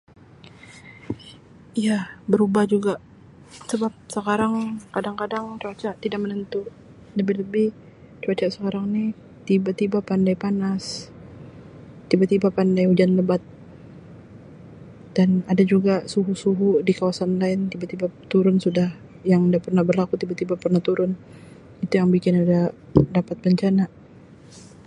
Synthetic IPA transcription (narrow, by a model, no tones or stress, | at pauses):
ijabəɾubahd͡ʒuɡaʔ | səbap̚səkaɾaŋkadaŋkadaŋt͡ʃuat͡ʃaʔt̪idak̚mənənt̪u | ləbɪləbɪh | t͡ʃuat͡ʃaʔsəkaɾaŋnɪ | t̪ibat̪ibapandajpanas | t̪ibat̪ibapandajud͡ʒanləbat̪̚ | d̥anadad͡ʒuɡasuɦusuɦudikawasanlaɪnt̪ibat̪ibat̪uɾʊnsudah | jaŋdapərnahbərlakut̪ibat̪ibapərnaht̪uɾʊn | it̪ujaŋbikɪnadadapat̪̚bəɲt͡ʃana